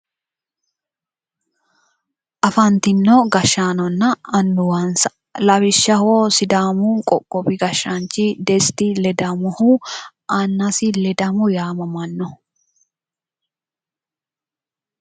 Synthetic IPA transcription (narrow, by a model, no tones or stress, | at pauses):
ʔɐfɐnt̪ɪnːɔɡɐʃːaːnɔnːɐːnːʊwɐnsɐ̥ | lɐbɪʃːɐhoːsɪd̪aːmunkʼɔkʼːɔbɪɡɐʃːɐnt͡ʃːɪd̪ɛst̪ɪlɛd̪ɐmʊhu | ʔɐnːɐsɪlɛd̪ɐmʊjaːmɐmɐnːɔ